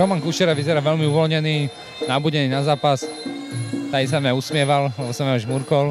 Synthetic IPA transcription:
ɾɔmankuʃɛɾaʋizɛɾaʋɛlmiuʋɔlɲɛniː | nabuɟɛniːnazaːpas | t̪aisamɲausmɪɛʋallɛbɔsamɲaʒmuɾkɔl

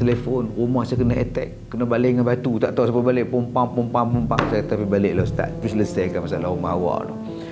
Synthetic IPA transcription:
telefonrumahsajakənaɛ̰t̪ɛ̰kːənabaleŋanbat̪ut̪aʔt̪asapabaleʔpompaŋpumpaŋpumpaŋsajat̪apibaleʔlost̪a̰t̪̚pusləsɛkanmasaʔalaɣumaɦawa̰ʔlo̰

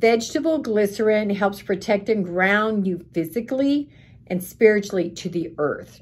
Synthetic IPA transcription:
vɛd͡ʒtɨbl̩ˠɡlɪsə˞ɪ̃ŋɦɛlˠpspʰɹ̥ɨtʰɛk̚tɪ̃ŋɡɹãʊ̃njʉfɪzɨkli | ʔɨ̃nspɪɹɨt͡ʃl̩ˠiɾɨðiɜ̰˞θ

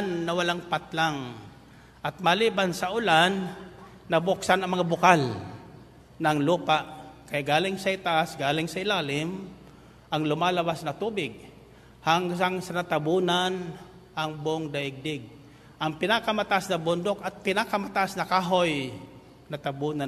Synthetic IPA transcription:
nːɐwɐlaŋpat̪̚laŋ | ʔɐt̪̚malibansɐʔʊlanː | ɐbʊksanɐŋmɐŋabʊkal | nɐŋluːpaʔkɐjaɡaːlɪŋsɐɪt̪aʔasɡaːlɪŋsɐɪlaːlɪm | ʔɐŋlʊmalɐbasnɐt̪uːbɪɡ̚ | haŋsaŋsɐnat̪abuːnan | ʔɐŋboŋd̪ɐʔɪɡ̚d̪ɪɡ̚ | ʔɐŋpɪnakamat̪aʔasnɐbʊnd̪okɐt̪̚pɪnakamat̪aʔasnɐkaːɦoj | nɐt̪abuːna

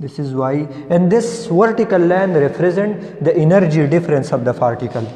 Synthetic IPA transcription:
d̪ɪsɪzwaj | ɛ̃nɖd̪ɪsʋɐɾʈikəlːɛ̃nɖɾɛpʰɾezẽɳʈ | d̪əʔinəɾd͡ʒiɖɪfɾẽnsɔʋd̪ɐpaːɾʈikəl

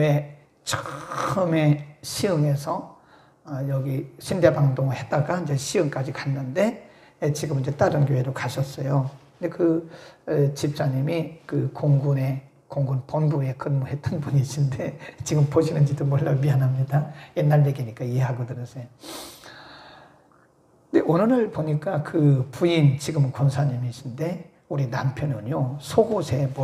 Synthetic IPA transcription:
we̞ | t͡ɕʰɯ̥ɯme̞ɕʰiɯŋe̞sʰʌ | jʌɡiɕʰinde̞baŋdoŋɯɭhet̚t͈aɡand͡ʑeɕʰiɯŋk͈ad͡ʑikanːɯnde̞ | et͡ɕiɡɯmind͡ʑet͈aɾɯnkjoɦe̞ɾokaɕʰʌs͈ʌjo | ndekɯ | t͡ɕip̚s͈aɲimikɯkoŋɡune̞ | koŋɡunponbue̞k͈ʰɯnmʌhe̞t͈̚ɯnbuniɕʰinde̞t͡ɕiɡɯmpoɕʰinɯnd͡ʑidomwʌɭːamianɦamɲidajenːaɭdeɡiɲik͈aiɦe̞ɦaɡʌdɯɾʌsʰejo | ndeʔonɯɾɯɭpoɲik͈akɯpuint͡ɕiɡɯmkonsʰaɲimiɕʰinde̞ | uɾinampʰjʌnɯɲjosʰoɡosʰe̞m

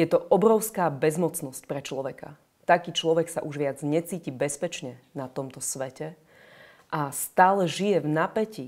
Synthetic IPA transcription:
jɛt̪ɔʔɔbɾɔʊskaːbɛzmɔt͡snɔsc̚pɾɛt͡ʃlɔʋɛka̰ | t̪akiːt͡ʃlɔʋɛksa̰ʔuʒʋɪad͡zɲɛt͡siːcibɛspɛt͡ʃɲɛnat̪ɔmt̪ɔsʋɛcɛ | ʔast̪aːlɛʒijɛvnapɛci

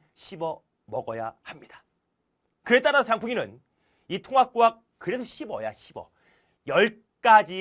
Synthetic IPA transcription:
ɕʰibʌ | mʌɡʌja̰hamɲid̥ḁ | kɯe̞t͈aɾasʰot͡ɕaŋpʰuŋinɯn | itʰoŋɦak̚k͈wak̚ | kɯɾe̞doɕʰibʌ̰jaɕʰibʌ̰ | jʌɭ | k͈ad͡ʑi

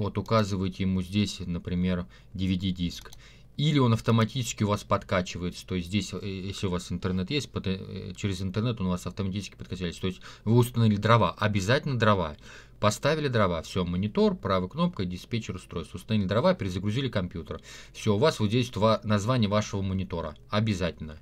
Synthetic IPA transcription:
vo̞t̪ʊkazɨvəjɪtʲɪjɪmuzʲdʲesʲnəpɾʲɪmʲe̞r | dʲɪvʲɪdʲidʲisk | ilʲɪo̞nɐft̪əmɐtʲit͡ɕɪ̥skʲɪʊvaspɐt̪kat͡ɕɪvəjɪt̪sə̥t̪o̞ɪsʲt̪̬ʲzʲdʲesʲjesʲlʲɪʊvasɨnt̪ɨrnɛt̪jesʲt̚ʲpəd̪ɨt͡ɕɪɾʲɪzɨnt̪ərnɛt̪o̞nʊvasɐft̪əmɐtʲit͡ʃɪ̥skʲɪpət̪kat͡ɕælʲɪtst̪oɪsʲtʲvɨʊst̪ɐnɐvʲilʲɪd̪ɾɐva̰ʔɐbʲɪzatʲɪlʲnəd̪ɾɐva̰ | pɐst̪avʲɪlʲɪd̪ɾɐvafsʲomənʲɪt̪o̞rpɾavɨkno̞p̚kədʲɪspʲet͡ɕɪɾʊst̪ɾo̞jst̪ʊst̪ɐnɐvʲilʲɪd̪ɾɐvapʲɪɾʲɪzəɡɾʊzʲilʲɪkɐmpʲjut̪ərfsʲo̞ʊvasvozʲeɪsʲt̪ovanɐzvanʲɪjəvaʂəvəmənʲɪt̪o̞ɾə̰ | ɐbʲɪzatʲɪlʲnə

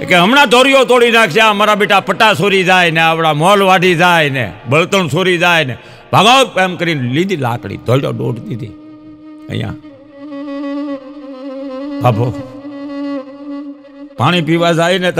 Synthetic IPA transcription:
keɦəmnaːd̪ʱoːɾɪjoːt̪oːɽiːnaːksjaːɦəmaːɾaːɓeːʈaːpəʈːaːsoːɾiːd͡ʒaːineːəpɽaːmoːlʋaːɖiːd͡ʒaːinɛ̰̃ːbəlt̪əɳsoːɾiːd͡ʒaːnɛ̰ː | bʱaːɡaːopəːmkəɾiːnlĩːd̪iːla̰ːkɽḭːd̪ʱoːɾjo̰ːɗo̰ːʈd̪iːd̪ḭː | ə̰jã̰ː | bʱaːbʱoː | paːɳ̃iːpiːʋaːzaːiːneːt̪

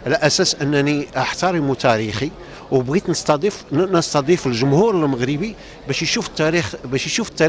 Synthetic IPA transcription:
ʕlæʔæsæsʔənːæniʔaħt̪ɑɾˤimut̪æɾixi | wbɣit̪nəst̪ɑd̪ifnəst̪ɑd̪ˤifəlʒʊmhuɾəlməɣɾəbi | bæʃjʃuft̪ːæɾixbæʃjʃufət̪ːæɾ

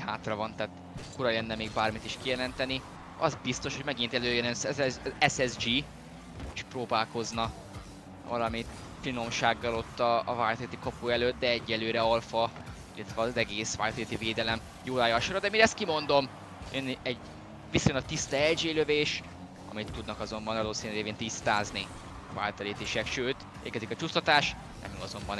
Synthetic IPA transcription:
haːt̪rɒvɒnt̪aːt̪ | kuɾɒlɛnːɛmeːɡbaːrmit̪iʃkijɛlɛnt̪ɛni | ɒ̰zbist̪o̞ʃho̞ɟmɛɡint̪ɛløːjːønɛnsɛzɛɛsɛzd͡ʒiː | t͡ʃɒ̥proːbaːlko̞znɒ | vɒ̰lɒmit̪ | fino̞mʃaːɡːɒlo̞t̪ːɒːvaːjt̪et̪ikɒpuɛløt̪̚d̪ɛɛɟːɛløːɾɛɒlfɒ | ilːɛt̪ʋɛːzɛɡeːsʋa̰ːlt̪ɒliːt̪iveːd̪ɛlɛm | joːlaːjɒːʃoɾɒd̪ɛmiːɾɛst̪̚kimo̞nd̪o̞m | jønɛɟ | ʋisojonɒt̪ːist̪ɑɛld͡ʒeːløveːʃ | ɒ̰mit̪ːud̪nɒkɒzo̞mbɒnɒd̪oːsiːnyɾeːveːnt̪ist̪aːzni | va̰ːlt̪ɒleːt̪eːʃɛkʃøːt̪ | ḛːlkɛzikɒt͡ʃust̪ɒt̪aːʃ | nɛ̰miɒzo̞mbɒn

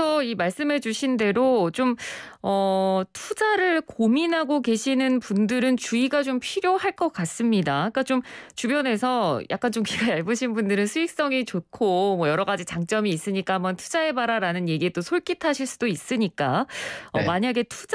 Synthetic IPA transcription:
ʌimaɭs͈ɯmɦe̞d͡ʑuɕʰinde̞ɾot͡ɕomʌtʰud͡ʑaɾɯɭkominɦaɡoke̞ɕʰinɯnpundɯɾɯnt͡ɕuiɡat͡ɕompʰiɾjohaɭk͈ʌk͈as͈ɯmɲidaik͈at͡ɕomt͡ɕubjʌne̞sʰʌja̰k͈ant͡ɕomkiɡaaɭbɯɕʰinbundɯɾɯnsʰuik̚s͈ʌŋit͡ɕokʰomwʌjʌɾʌɣad͡ʑit͡ɕaŋt͡ɕ͈ʌmiːs͈ɯɲik͈aɦamʌntʰu̥d͡ʑae̞baɾaɾanɯnje̞ɡie̞t͈osʰoɭk͈itʰaɕʰiɭs͈u̥dois͈ɯɲik͈aʌ̰maɲaɡe̞tʰu

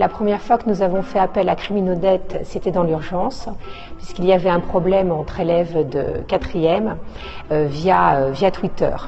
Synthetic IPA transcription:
lapχəmjɛʁfwakənuzavɔ̃fɛapɛlakχiminod̪ɛt̪set̪ɛd̪ɑ̃lyʁʒɑ̃s | pɥiskilijavɛɛ̃pχɔblɛmɑ̃t̪χelɛvd̪ə̰kat̪χijɛm | øvjaøvjat̪wit̪œ̰ːʁ

